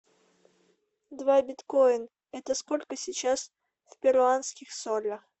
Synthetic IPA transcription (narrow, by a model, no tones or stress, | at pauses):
d̪vabʲɪt̪kojn | ɛt̪əskolʲkəsʲɪt͡ɕas | fʲpʲɪɾʊanskʲɪxsolʲəx